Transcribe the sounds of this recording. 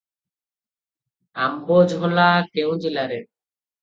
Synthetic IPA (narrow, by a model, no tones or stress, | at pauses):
ambod͡ʑbʱolakewd͡ʑilaɾe